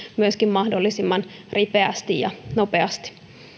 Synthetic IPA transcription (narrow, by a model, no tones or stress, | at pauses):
myøskimmɑhdolːisimːɑnripeæst̪ijjɑ̰nopeɑst̪i̥